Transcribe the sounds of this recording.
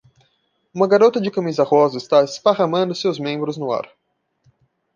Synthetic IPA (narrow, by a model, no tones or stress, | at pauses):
ũmɐɡaɾot̪ɐd͡ʒɪkɐmizɐhɔzɐɪst̪aespaʁɐmɐ̃nd̪ʊsewzmẽbɾʊznʊa̰ɾ